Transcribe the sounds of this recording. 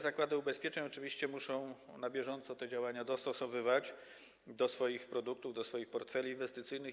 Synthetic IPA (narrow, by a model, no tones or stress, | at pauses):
zakwad̪ɘubɛspʲjɛt͡ʂɛɲɔt͡ʂɘvʲiɕt͡ɕɛmuʂɔ̃w̃nabʲjɛʐɔnt̪sɔt̪ɛd͡ʑawaɲad̪ɔst̪ɔsɔvɘvad͡ʑ | d̪ɔsfɔjixpɾɔd̪uk̚t̪uvd̪ɔsfɔjixpɔɾt̪fɛlʲiːnvɛst̪ɘt̪sɘjnɘx